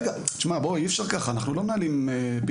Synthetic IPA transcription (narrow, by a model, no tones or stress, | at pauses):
ɡat͡ʃmaboiɛfʃaʁkaχaːnaχnulo̞mnalimepi